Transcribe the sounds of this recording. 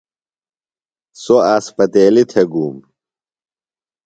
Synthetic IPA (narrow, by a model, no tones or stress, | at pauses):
soaːspɐt̪eːlit̪ʰeɡuːm